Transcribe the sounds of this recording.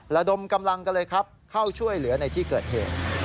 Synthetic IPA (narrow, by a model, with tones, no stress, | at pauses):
ɾa˧do˧mka˧mla˧ŋka˧lɤː˧jkʰa˦˥p̚kʰa˥˩wt͡ɕʰu˥˩əjlɯ˩˦ɐna˧jt̪ʰiː˥˩kɤː˨˩t̪̚hḛː˨˩t̪̚